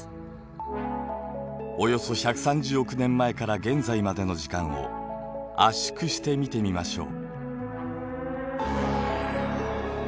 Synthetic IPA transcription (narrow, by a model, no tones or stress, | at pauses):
o̞jo̞so̞çakɯ̟̥sãɲ̟d͡ʑɨːo̞kɯ̟nẽ̞mːae̞kaɾaɡẽ̞nzaimad̪e̞no̞ʑikãɰ̃o̞̰ | aɕi̥kɯ̟ɕi̥t̪e̞mʲit̪e̞mʲimaɕo̞̰ː